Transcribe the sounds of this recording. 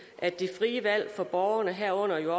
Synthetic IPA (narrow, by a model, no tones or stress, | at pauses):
ʔæd̥ifʁiːəʋæl̰fɒ̽b̥ɒːʊɐnəɦæɐ̰ɔ̽n̰ɐjo̝ɒ